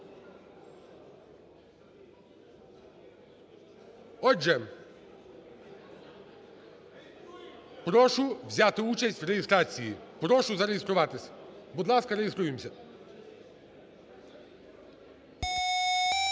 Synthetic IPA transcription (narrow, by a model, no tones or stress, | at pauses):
ɔʒɛ | pɾɔʃʊʋzʲat̪ɪut͡ʃɐsʲtʲʋrejɪst̪ɾat͡sʲijipɾɔʃʊzɐɾejest̪ɾʊʋɑt̪ɪsʲbud̪lˠɑskɐɾejest̪ɾujemsʲɐ